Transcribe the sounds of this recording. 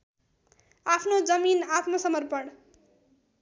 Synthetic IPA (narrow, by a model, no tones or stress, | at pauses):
apʰnod͡zʌminat̪mʌsʌmʌrpʌɽ